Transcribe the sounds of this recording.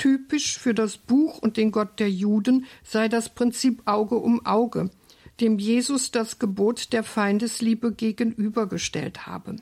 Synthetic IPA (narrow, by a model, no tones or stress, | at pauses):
tʰyːpɪʃfyːɐdasb̥uːxʊnt̚d̥eːnɡɔt̚d̥eːɐjuːdn̩z̥aɪdaspʁ̥ɪnt͡siːpʔaʊɡəʔʊmʔaʊɡə̰ | d̥eːmjeːzʊsd̥asɡ̥əboːtd̥eːɐfaɪndəsliːbəɡeːɡən̩ʔyːbɐɡəʃtɛ̰ltha̰ːbə